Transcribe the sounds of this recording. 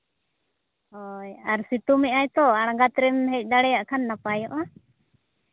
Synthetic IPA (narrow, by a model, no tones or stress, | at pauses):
hɔjaɾsit̪umɛʔajt̪ɔaɽ̃aŋɡat̪ɾɛmɦɛc̚ˀd̪aɽɛjaʔkʰanːapajɔʔa